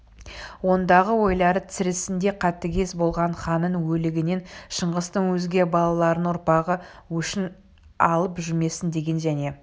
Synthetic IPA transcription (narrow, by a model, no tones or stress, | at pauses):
wo̞nd̪ɑʁəwo̞jlˠɑɾət̪sɪɾɪsɪnd̪e̞qʰɑt̪ːəɡʲe̞sbo̞lˠʁɑɴχɑnəɴwɵlɪɡʲɪne̞nʃəɴʁəst̪əŋwɵzɡʲe̞bɑlˠɑlˠɑɾənwʊɾpɑʁəwɵʃɪn | ɑlˠəpʒʏme̞sɪnd̪e̞ɡʲe̞nʒæne̞